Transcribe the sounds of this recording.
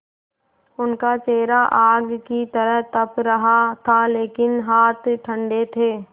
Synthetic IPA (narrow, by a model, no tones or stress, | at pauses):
ʊnkat͡ʃeːɾaʔaːɡkit̪ɐɾəɦt̪ɐpɾɐɦat̪ʰaleːkɪnɦaːt̪ʰʈʰə̃ɳɖet̪ʰeː